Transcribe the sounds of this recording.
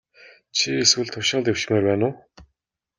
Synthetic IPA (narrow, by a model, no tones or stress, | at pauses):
t͡ɕʰieswɘ̆ɮt̪ʰʊʃɪ̆ɴt̪ew̥ʃɪ̆meːrpæːnʊː